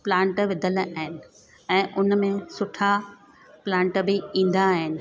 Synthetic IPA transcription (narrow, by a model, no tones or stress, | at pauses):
plãːɳʈʋɪd̪ʱəlaːɦɪnɪ̆ | ɛ̃ːʔʊnmẽsʊʈʰa | plãːɳʈəbɪĩːn̆d̪aɦɪnɪ̆